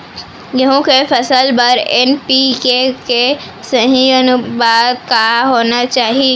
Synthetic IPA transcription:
jɐɦõkefʰɐsəlbɐɾɛnpikeke | sɐɦĩənʊbaːd̪̚kaːɦoːnat͡ʃaːɦi

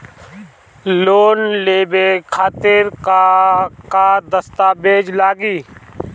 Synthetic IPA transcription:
loːnleːbekʰaːt̪ɪɾkakad̪əst̪aːbeːd͡ʒlaːɡiː

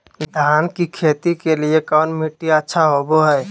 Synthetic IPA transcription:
d̪ʱaːnkikʰet̪ikeliekɔːnmiʈːiətːʃʰaɦoboɦɛː

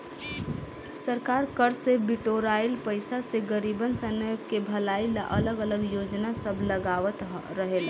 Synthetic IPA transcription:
səɾkaɾkəɾsebiʈoɾajlpəɪsaseɡəɾibənsənkebʱəlaila̰ʔələɡələɡjod͡ʒnasəbʱləɡaʋət̪ɾəɦel

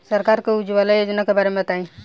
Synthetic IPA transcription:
səɾkaɾkeud͡ʒʋalajod͡ʒnakebaːɾemẽt̪aĩ

